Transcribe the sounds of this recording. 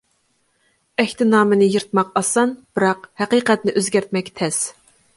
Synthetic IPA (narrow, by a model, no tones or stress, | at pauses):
ɛhʲt̪ʰɪnɑːmɨnɪjɨɾt̪̚mɑqɑsɑnb̥ɨɾɑqhæqiːqɛt̪nɪʔøzɡʲæɾt̪mɛkʲt̪ʰɛs